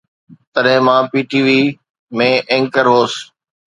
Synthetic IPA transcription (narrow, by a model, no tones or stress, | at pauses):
t̪ɐɗɦɪ̃mãːpiːʈiːʋiː | mẽːʔẽŋkəɾɦoːs